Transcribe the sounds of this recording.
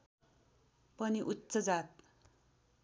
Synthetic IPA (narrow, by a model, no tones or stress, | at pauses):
pʌniʔutːt͡sʌd͡zat̪̚